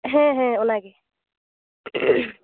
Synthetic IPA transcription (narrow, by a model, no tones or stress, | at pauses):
ɦɛ̃ɦɛ̃ʊnaɡe